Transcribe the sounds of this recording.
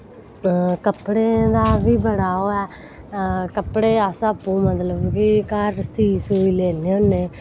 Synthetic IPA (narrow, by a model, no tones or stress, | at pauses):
kəpɽeːd̪aːʋiːbəɽaːoːɛː | kəpɽeːəsəpːuːmət̪ləbkɪkəɾsiːsuːiːleːleõːnːeː